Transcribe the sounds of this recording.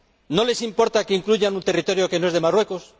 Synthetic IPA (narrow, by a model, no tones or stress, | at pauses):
no̞le̞simpo̞ɾt̪akeiŋkluʝanũnt̪erit̪o̞ɾjo̞kenoe̞zðe̞marwe̞kos